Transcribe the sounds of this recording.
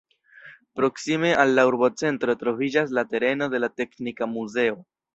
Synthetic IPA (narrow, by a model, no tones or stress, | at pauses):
pɾo̞ksime̞ʔalːauɾbo̞t͡se̞ntɾo̞tɾo̞vid͡ʒas̬late̞ɾe̞no̞de̞late̞knikamuze̞o̞